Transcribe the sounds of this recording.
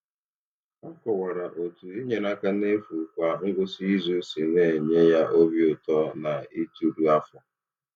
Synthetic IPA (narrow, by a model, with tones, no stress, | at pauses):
ɔ˦kɔ˨wa˨ɾa˨ʔo˨tu˨i˦ɲe˨na˦ka˦ne˦fu˨kʷa˨ŋ̩˦ɡʷʊ˦si˦zu˦si˨ne˦˨ɲe˦ja˦ʔo˦bi˦ʊ˨tɔ˦na˨i˦tu˦ɾu˦a˦fʊ˨